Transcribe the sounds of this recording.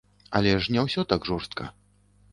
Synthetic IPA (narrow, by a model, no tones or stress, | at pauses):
ɐ̰lʲɛʂnʲɛwsʲɔt̪aɡʐɔrst̪̚kʰɐ̰